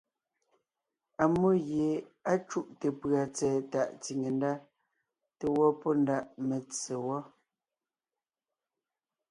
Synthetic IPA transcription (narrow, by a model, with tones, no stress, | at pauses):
a˨mo˦ɣje˨a˦t͡ʃu˦˨ʔte˨pɰa˨t͡sɛː˨ta˨ʔti˨ŋe˨nda˦ | te˨wɔ˦pɔ˦nda˦˨ʔme˨t͡se˨wɔ˦